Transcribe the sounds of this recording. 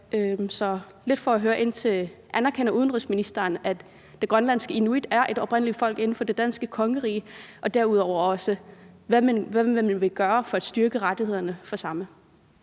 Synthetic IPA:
ømsɒ̽ | le̝d̥fɒ̽æɦøːɐʔe̝n̰t͡sʰe̝lʔænɐkʰen̰ɐʔuðˠnʁysminisd̥ɐːnæ̥ | d̥e̝ɡ̥ʁɶnlæn̰sɡ̥əinuid̥æɐʔe̝d̥ɒ̽b̥ʁen̰lid̥fɒ̽l̰ɡ̥e̝n̩fɒ̽d̥e̝d̥ænsɡ̥əkʰɒ̽ŋəʁḭːʔɒ̽d̥æɐuð̞̰ˠɒʊ̰ɐɒ̽səʋæmænʋæʋæmænʋe̝ɡ̥ɶːɐfɒ̽æd̥sd̥yɐɡ̥əʁad̥ihe̝ð̞̰ˠɐnəfɒ̽sɑ̈mə

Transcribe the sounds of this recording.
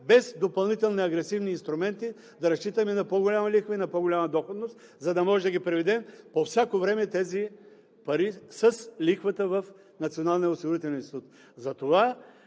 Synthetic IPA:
bɛsd̪opɐlˠnit̪ɛlˠniɐɡɾɛsivniːnst̪ɾʊmɛnt̪i | d̪ɐɾɐst͡ʃit̪əminɐpoɡolʲamɐlixvəinɐpoɡolʲamɐd̪ɔxod̪nost̪ | zɐd̪ɐmɔʒɛd̪ɐɡipɾɛvid̪ɛmpofsʲakovɾɛmɛt̪ɛzi | pɐɾisəslixvət̪əvɐf | nɐt̪sionalˠnijɛosiɡʊɾit̪ɛlʲɛnist̪it̪ut̪ | zɐt̪ova

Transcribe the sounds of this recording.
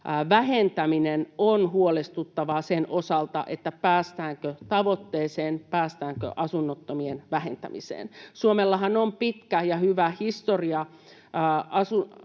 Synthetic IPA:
ʋæhent̪æminenonhuolest̪ut̪ːɑʋɑsenʔosɑlt̪ɑ̰ʔet̪ːæpæːst̪æːŋkøt̪ɑʋot̪ːeːseːnpæːst̪æːŋkø̰ʔɑsunːot̪ːomienʋæhent̪æ̰mḭsḛːnsuomelːɑɦɑnompit̪kæjɑhyʋæhist̪oriɑ | ɑsu

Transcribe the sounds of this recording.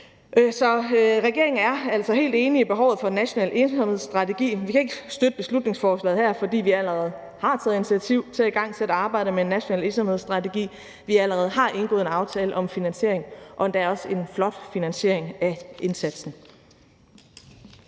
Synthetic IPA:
ʔsɒ̽ʁɛɡ̥e̝ɐe̝ŋ̩æɐæl̰sɒ̽ɦe̝̰ːld̥e̝ːniib̥e̝ɦɒʊð̩ˠfɒ̽næɕo̝nɛ̰ːlesɒmhe̝ðˠsd̥ʁɑ̈t͡sʰe̝ɡ̥ḭːʋikʰæe̝ɡ̥ə̥sd̥ød̥əb̥e̝slud̥ne̝ŋsfɒːslɛ̰ːð̩hæɐ̰fɒ̽d̥ḭːʋiæləʁɛð̞̩ˠ | hɑ̈t͡sʰɛːð̩ˠinit͡sʰiæt͡sʰiʊ̰t͡sʰe̝æiɡ̥ɑ̈ŋ̰sʰed̥əɑ̈ːb̥ɑ̈ɪ̰d̥əmeenːæɕo̝nɛ̰ːle̝nsɒmhe̝ð̞̰ˠsd̥ʁɑ̈t͡sʰe̝ɡ̥ḭː | ʋiæləʁɛð̞̩ˠɦɑ̈ʔe̝nɡ̥ɔ̽ðˠenɑ̈ʊt͡sʰɛːləʔɒ̽mfinænɕe̝ɐ̰eŋʔɒ̽d̥ææɐɒ̽səe̝nflɒ̽d̥finænsɕe̝̰ɐ̰e̝ŋæʔe̝nsæd̥sn̩

